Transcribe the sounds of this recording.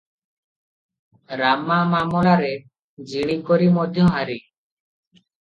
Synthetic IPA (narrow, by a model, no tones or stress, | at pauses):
ɾamamamɔɭaɾe | d͡ʒiɽ̃ikɔɾimɔd̪ʱjɔɦaɾi